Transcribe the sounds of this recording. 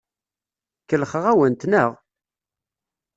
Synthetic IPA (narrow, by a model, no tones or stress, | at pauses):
kːəlχəʁæwənt̪nəʁ